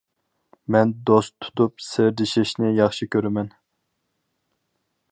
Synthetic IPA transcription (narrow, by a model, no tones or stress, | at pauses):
mɛnd̪ost̪ʰːu̥t̪upseɾd̪ɪʃɪʃnɪjɑχʃikʲʰøɾɪmɛn